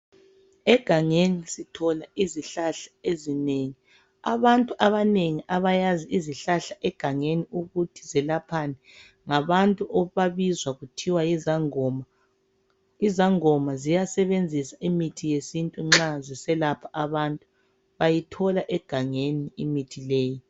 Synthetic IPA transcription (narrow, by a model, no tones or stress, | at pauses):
ɛɡ̥ʱaŋenisitʰɔlaiziɬaɬḁezineŋi | aβantʼuʔaβaneŋiʔaβajaziiziɬaɬaʔɛɡ̥ʱaŋeniuɣutʰi̥zɛlapʰanɛ | ŋaβantʼuʔɔβaβizwaɣutʰiwajizaŋɔma | izaŋɔmazijasɛβend͡zʱisaʔimitʰijesintʼuŋ͡ǁazisɛlapʰaʔaβantʼu | βajitʰɔlaʔɛɡ̥ʱaŋeniːmitʰileːji